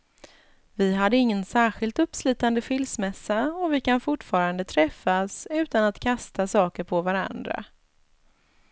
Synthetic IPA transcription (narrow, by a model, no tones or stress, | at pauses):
vɪɦad̪ːəɪŋːənsæːɾɧɪlt̪ɵpːslyːt̪and̪əfɪlsmɛsːaɔvɪkanfʊʈːfɑːɾand̪ət̪ʰɾɛfːasʉ̟ːt̪anat̪kʰast̪ʰasɑːkəɾpʰɔvaɾa̰nd̪ɾa̰